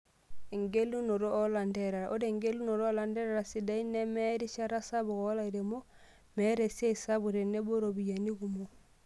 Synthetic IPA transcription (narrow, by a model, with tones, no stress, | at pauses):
e˨ŋɡe˦lu˦no˨ɾoː˦la˨ndɛ˨ɾa˨ɾa˨ʔo˦ɾe˨ŋɡe˦lu˦no˨ɾo˦la˨ndɛ˦ɾa˨ɾa˨si˨da˨i˦ne˦mɛ˦ɾi˦ʃa˦ɾa˦sa˦bu˨ɣɔ˦la˦i˨ɾe˨mo˦ | mɛ˦ɾe˨si˦a˦i˨sa˦bu˨ɾe˨ne˦bo˦ɾo˨bi˨ja˨ni˦ɡu˨mo˨